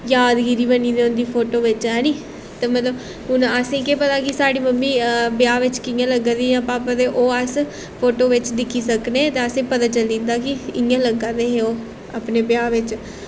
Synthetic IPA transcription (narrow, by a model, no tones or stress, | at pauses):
jaːd̪ɡiɾiːbəniːd̪eːʊnd̪iːpʰoːʈoːʋɪt͡ʃɦɛːniː | t̪eːmət̪ləb | ɦʊnəsẽːkeːpət̪aːkɪsaːɽiːməmːiːbjaːʋɪt͡ʃkɪjãːləɡãːd̪iːjãːpaːpad̪eːʔoːəs | pʰoːʈoːʋɪt͡ʃd̪ɪkʰːiːsəknet̪eːəsẽːpət̪aːt͡ʃəlĩːnd̪aːkɪɪjãːləɡãːd̪eːɦeːoː | aːpneːbjaːʋɪt͡ʃ